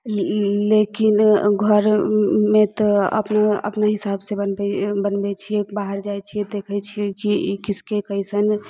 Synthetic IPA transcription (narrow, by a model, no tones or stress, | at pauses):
lekinɡʱəɾmet̪ɔə̰pnaə̰pnaɦisabsebənbɛbənbɛt͡ʃʰiebaɦəɾd͡ʒajt͡ʃʰijed̪ekʰɛt͡ʃʰijekikiskekəɪsən